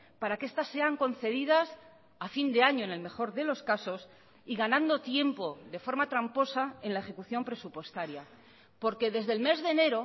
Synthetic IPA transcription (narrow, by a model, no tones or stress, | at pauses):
paɾake̞st̪asːe̞aŋko̞n̟θe̞ðið̞as | afind̪e̞aɲo̞ene̞lme̞xo̞ɾðe̞lo̞skaso̞s | iɣanãnd̪o̞t̪je̞mpo̞ðe̞fo̞ɾmat̪ɾampo̞sae̞nlae̞xe̞kuθjo̞mpɾe̞supwe̞st̪aɾja | po̞ɾke̞ðe̞zðe̞lme̞zðe̞ne̞ɾo̞